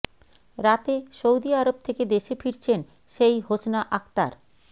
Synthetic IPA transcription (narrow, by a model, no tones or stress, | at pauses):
ɾat̪eʃowd̪iaɾob̚t̪ʰeked̪eʃefiɾt͡ɕʰen | ʃejɦosnaʔak̚t̪a̰ɾ